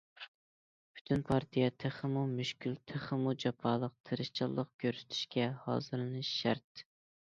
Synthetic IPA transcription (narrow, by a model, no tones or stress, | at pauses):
pʰy̥t̪ʰynpʰɑɾt̪ʰijɛt̪ʰeχɨmumyʃkʲylt̪ʰeχɨmud͡ʒɑpʰɑːlˠəq̚t̪ʰɪɾɪʃt͡ʃʰɨlˠːəqkʲʰøɾsy̥t̪ʰy̥ʃkʲɛhɑ̰ːzɨɾlɨnɨʃʃæɾt̪